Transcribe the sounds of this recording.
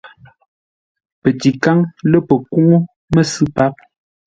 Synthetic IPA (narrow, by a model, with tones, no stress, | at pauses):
pə˨ti˨ka˦ŋlə˦pə˨ku˦ŋo˦ | mə˦sɨ˦pa˦p̚